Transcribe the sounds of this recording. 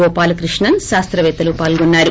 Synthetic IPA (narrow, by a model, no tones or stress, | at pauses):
ɔːpaːlɐkɾiʂɳɐnʃaːst̪ɾɐʋɛːt̪ɐlupaːlɡɔnːaːɾu